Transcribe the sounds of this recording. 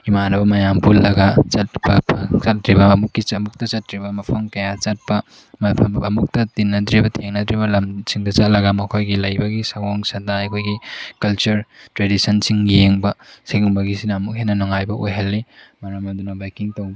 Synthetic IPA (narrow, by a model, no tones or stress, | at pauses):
imanɐbɐmɐjampulːɐɡɐt͡ʃɐt̚bɐpʰɐt͡ʃɐt̚ɾibɐːmukːiɐmuk̚tɐt͡ʃɐt̚ɾibɐmɐpʰɐmkɐjat͡ʃɐt̚pɐ | mɐpʰɐɐmuk̚tɐtinːɐdɾibɐtʰeŋnɐdɾibɐlɐmsiŋdɐt͡ʃɐt̚lɐɡɐmɐkʰojɡilɐjbɐɡisɐwoŋsɐdaɐkʰojɡikɐlt͡ʃuɾtɾedisɐnsiŋjeŋbɐsiɡuŋbɐɡisinɐːmuk̚ɦenːɐnoŋajbɐʔojɦɐlːimɐɾamɐdunɐbajkiŋtɐw